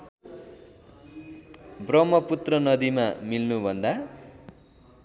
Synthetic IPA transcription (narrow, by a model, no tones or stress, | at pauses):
brʌmːʌput̪rʌnʌd̪imamilnubʱʌnd̪a